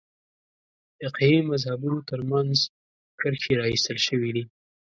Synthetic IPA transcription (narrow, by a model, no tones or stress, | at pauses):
d̪əqiimazhabunot̪əɾmanz | kəɾxeɾɑist̪əlʃəwid̪i